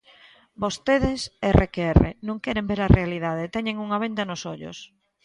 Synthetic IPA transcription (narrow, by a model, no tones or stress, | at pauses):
bost̪eðɪserʔekerḛnõŋkɛɾembeɾɐrealiðað̞et̪ɛɲeŋuŋaβ̞end̪ɐnʊsoʎʊ̰s